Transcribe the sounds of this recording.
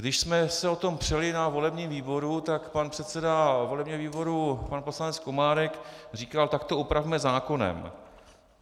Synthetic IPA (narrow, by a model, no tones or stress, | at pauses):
ɡdɪʃsmɛsɛo̞t̪o̞mpr̝̥ɛlɪnavo̞lɛbɲiːmviːbo̞ɾut̪akpanpr̥ɛt̪sɛdavo̞lɛbɲɛviːbo̞ɾupanpo̞slanɛt͡skomaːɾɛkr̝iːkalt̪akt̪o̞ʔupɾavmɛzaːko̞nɛ̰m